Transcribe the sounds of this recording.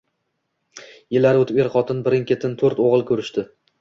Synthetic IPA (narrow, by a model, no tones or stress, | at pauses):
jɪlːaɾɪɵt̪ɪpeɾqɒt̪ʰɪnbɪɾɪŋkʲʰet̪ʰɪnt̪ʰɵɾt̪oʁɨlˠkʲʰɵɾɪʃt̪ɪ